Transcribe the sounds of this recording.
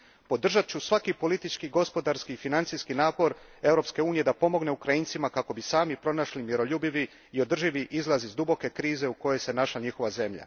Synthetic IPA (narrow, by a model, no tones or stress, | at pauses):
po̞d̪r̩ʒat̪̚t͡ɕusʋakipo̞lit̪it͡ʃkiɡo̞spo̞d̪aɾskiːfinant̪siskinaːpo̞ɾe̞vɾo̞pske̞uːnije̞d̪apo̞mo̞ɡne̞ukɾainsimakako̞bisaːmipɾo̞naʃlimjeɾo̞ʎubiʋi | io̞d̪r̩ʒiʋiʔizlˠazizd̪ubo̞ke̞kɾiːze̞uko̞jese̞naʃlaɲixo̞ʋaze̞mʎa̰